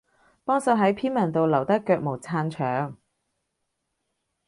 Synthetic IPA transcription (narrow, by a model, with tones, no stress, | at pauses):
pɔː˥ŋsɐː˧ɦɐ˨˥jpʰiː˥nmɐ˨˩nt̪o˨wlɐ˨˩wt̪ɐ˥kːœː˧k̚mo˨˩wt͡sʰaː˧nt͡ʃʰœː˨˥ŋ